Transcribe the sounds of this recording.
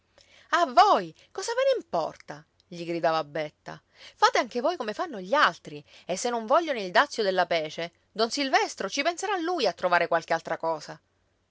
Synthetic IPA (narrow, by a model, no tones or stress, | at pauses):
avoːj | kɔːzaveneimpɔ̰rt̪a | ʎiɡɾid̪aːvabːɛt̪ːa̰ | faːt̪eaŋk̟evoːjkomefanːoʎialt̪ɾiesːenːoɱvɔʎːonoild̪at̪sːjod̪elːapɛːt͡ʃe | d̪ɔnsilvɛst̪ɾot͡ʃipenseɾaːlːujat̪ːɾovaːɾekwalk̟ealt̪ɾakɔːsa